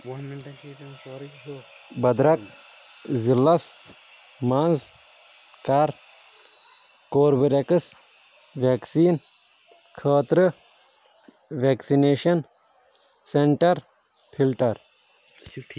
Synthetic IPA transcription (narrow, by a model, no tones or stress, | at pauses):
bɐd̪ɾɐk | zilːɐs | mɐnz | kaɾ | koːɾbɐɾekɨs | ʋeːksiːn | kʰəːt̪ɾɨ | ʋeːksineːʃɐn | seɳʈɐɾ | pʰilʈɐɾ